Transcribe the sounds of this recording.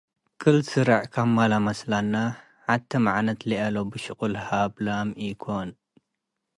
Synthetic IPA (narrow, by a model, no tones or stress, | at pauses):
kʼɨlsɨɾaʕkʰamːalamɐslanːa | ʕat̪ʰːɐmaʕanɐt̪liʔɐlobɨʃɨkʼulhablamikʰon